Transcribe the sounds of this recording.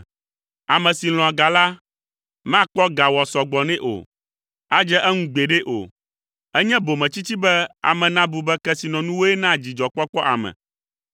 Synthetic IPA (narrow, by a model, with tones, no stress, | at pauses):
a˨mɛ̃˨si˨l̃ɔ̃˨a˨ɡa˨la˦ | mã˦k͡pɔ˦ɡa˨wɔ˨sɔ˨ɡ͡bɔ˨nɛ̃˦ʔo̰˨ | a˦d͡ʒɛ˦ʔɛ˦ŋũ˦ɡ͡be˨ɖe˦ʔo̰˨ | ɛ˦ɲɛ̃˦bo˨mɛ̃˨t͡ɕi˦t͡ɕi˦bɛ˦a̰˨mɛ̃˨nã˦bu˨bɛ˦kɛ˦si˨nɔ̃˨nũ˦wo˦ɛ˦nã˦˨d͡ʑi˨d͡ʒɔ˨k͡pɔ˦k͡pɔ˦ʔa̰˨mɛ̰̃˨